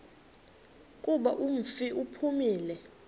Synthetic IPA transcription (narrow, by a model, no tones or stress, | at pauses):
kʼuɓaʔum̩fiupʰumiːlɛ